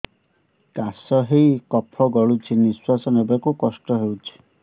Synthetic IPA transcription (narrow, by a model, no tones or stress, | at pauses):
kasɔɦejkɔpʰɔɡɔɭut͡ʃʰiniswasɔnebakukɔsʈɔɦewt͡ʃʰi̥